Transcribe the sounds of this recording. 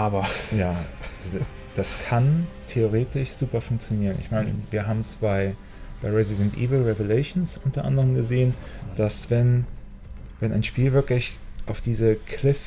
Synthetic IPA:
ʔaːbɐjaːz | d̥askʰantʰeoʁeːtʰɪʃz̥uːpɐfʊŋk̚t͡sjoniːʁənʔɪ̰çmaɪnə̰viːɐɦaːbm̩sb̥aɪ | b̥aɪʁɛzɪdɛntʔḭːvl̩ʁɛveleʃnsʔʊntɐʔa̰ndəʁəmɡəzeːənd̥asv̥ɛn | vɛna̰ɪnʃpiːlvɪɐklɪç | ʔaʊfd̥iːzəkʰl̥ɪf

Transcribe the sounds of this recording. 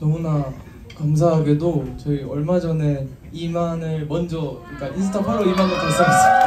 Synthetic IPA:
nʌmuna | kams̬ʰaɦaɡe̞dot͡ɕʌiʌɭmad͡ʑʌne̞ | imanɯɭmʌnd͡ʑʌik͈ainsʰɯ̥tʰapʰaɾoimanɯɭkas͈ʰaɦas͈ʌ

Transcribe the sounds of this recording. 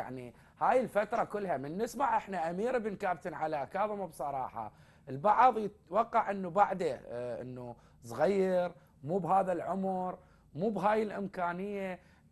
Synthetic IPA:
a̰ʕni | haːjɪlfat̪ɾˤɑkʊlːɦamɪnːɪsmaʕʔɪħnaʔamiːɾəbnkaːbt̪ɪnʕalaʔkaːðˤɨmabsˤɑɾˤɑ̰ːħɑ̰ | ʔɪlbɑʕðˤjɪt̪wɑqːɑʕʔənːubaʕd̪aʔɪ̰nːu | sˤɣajːɪɾ | muːbɦaːðalʕʊmɾ | muːbɦaːjɪlʔɪmkaːnɪjːa

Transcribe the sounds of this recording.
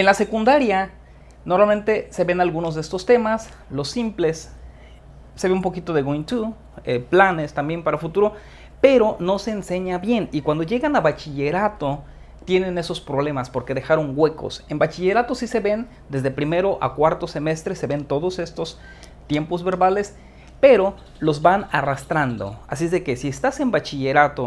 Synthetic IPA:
enlase̞kund̪aɾja | no̞ɾmalme̞nt̪e̞se̞βe̞nalɣuno̞zðeest̪o̞st̪e̞mas | lo̞sːimple̞s | se̞βeumpo̞kit̪o̞ðe̞ɣint̪u | eplane̞st̪ambje̞mpaɾafut̪uɾo̞ | pe̞ɾo̞no̞se̞ːnse̞ɲaβje̞nikwand̪o̞ʝe̞ɣanaβat͡ʃiʝe̞ɾat̪o̞ | t̪jenẽ̞ne̞so̞spɾo̞βle̞maspo̞ɾke̞ðe̞xaɾo̞ŋɡwe̞ko̰se̞mbat͡ʃiʝe̞ɾat̪osise̞βe̞n | d̪e̞zðepɾime̞ɾo̞ʔa̰kwaɾt̪o̞se̞me̞st̪ɾe̞se̞βe̞nt̪o̞ðo̞se̞st̪o̞s | t̪je̞mpo̞zβe̞ɾβale̞s | pe̞ɾo̞ | lozβanarast̪ɾand̪o̞̰a̰sizðe̞ke̞siest̪ase̞mbat͡ʃiʝe̞ɾat̪o̞

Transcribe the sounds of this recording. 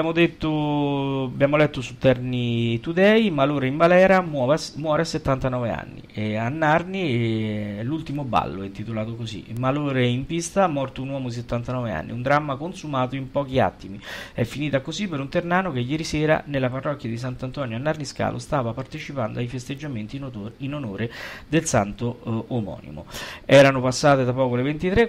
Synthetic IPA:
bjamod̪et̪ːo | abjaːmolɛt̪ːosut̪ːɛrnit̪ud̪ɛimaloːɾeimbalɛːɾamwɔːvamwɔːɾeasːet̪ːant̪anɔːvea̰nːḭɛanːarni | lult̪imoba̰lːoɛint̪it̪olaːt̪okosḭmaloːɾeimpist̪amɔrt̪ounwɔːmod̪is̬et̪ːant̪anɔːvea̰nːḭund̪ɾamːakonsumaːt̪oimpɔːk̟ia̰t̪ːimiɛfːiniːt̪akozipːeɾunt̪ernaːnok̟ejːɛːɾisɛːɾa̰nelːaparːɔk̟ːjad̪is̬ant̪ant̪ɔːnjoanːarniska̰ːlʔo̰st̪aːvapart̪et͡ʃipand̪oajfest̪ed͡ʒːament̪ininonoːɾed̪elsant̪oːmɔ̰ːnḭmo̰ɛːɾanopasːaːt̪ed̪apɔːkolevent̪it̪ɾe

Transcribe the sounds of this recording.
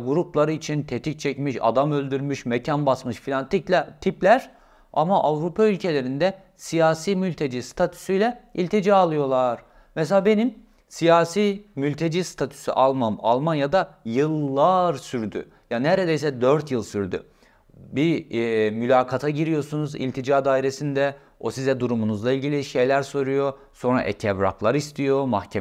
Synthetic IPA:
ɡuɾuplˠaɾɯit͡ʃʰint̪ʰet̪ʰic̚t͡ʃʰɛcmiʃa̰d̪amølʲd̪yɾmyʃmecʰanbasmɯʃfilʲant̪ʰiclʲɛt̪ʰiplʲæɾ̥ | a̰maʔavɾupʰaylʲcʰe̞lʲe̞ɾind̪ɛ | sijaːsiːmylʲt̪ʰe̞d͡ʒiːst̪ʰat̪ʰy̥syjlʲɛilʲt̪ʰe̞d͡ʒialˠɯjo̞lˠaɾ̥ | mɛselʲaːbe̞nim | sijaːsiːmylʲt̪ʰe̞d͡ʒiːst̪ʰat̪ʰy̥sy̰ʔalˠmama̰lˠmanjad̪ajɯlˠːaɾsyɾd̪y̰ | janɛɾed̪ejsɛd̪øɾt̪jɯlˠsyɾd̪y̰ | bimylʲaːkʰat̪ʰaɟiɾijo̞sunuzḭlʲt̪ʰid͡ʒaːd̪aːiɾe̞sind̪ɛ | osizɛd̪uɾumunuzlˠailʲɟilʲiʃe̞jlʲæɾso̞ɾujo̞ | so̞nɾa̰ʔɛ̰cʰɛvɾa̰klˠaɾist̪ʰijo̞maxcʰe

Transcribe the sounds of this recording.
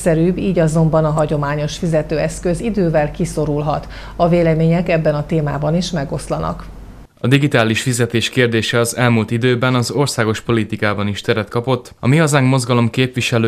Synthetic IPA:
sɛɾyːbiːɟɒzo̞mbɒnɒɦɒɟo̞maːɲo̞ʃfizɛt̪øːɛskø̞zid̪øːvɛlkiso̞ɾulɦɒt̪ | ɒveːlɛmeːɲɛkɛbːɛnɒt̪eːma̰ːbɒniʃmɛɡo̞slɒnɒ̰k | ɒd̪iɡit̪aːliʃfizɛt̪eːʃkeːrd̪eːʃɛɒzɛlmuːlt̪id̪øːbɛnɒzo̞rsaːɡo̞ʃpo̞lit̪ikaːbɒniʃt̪ɛɾɛt̪kɒpo̞t̪ːɒ̰miɒzaːŋkmo̞zɡɒlo̞mkeːpʋiʃɛløː

